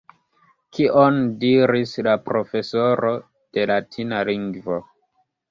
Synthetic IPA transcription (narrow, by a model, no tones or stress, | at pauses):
kiʔondiɾislapɾo̞fe̞so̞ɾo̞ | d̥e̞latʰinaliŋɡvo